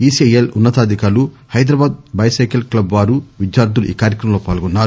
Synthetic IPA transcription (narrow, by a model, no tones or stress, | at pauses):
iːsiejelunːɐt̪aːd̪ʱikaːlu | hɐjd̪ɾɐbaːd̪bɐjsɐjkɐlklɐbʋaːɾuʋid͡ʒ̪jaːɾd̪uluʔḭːkaːɾjɐkɾɐmɐloːpaːlɐɡɔnːaːɾu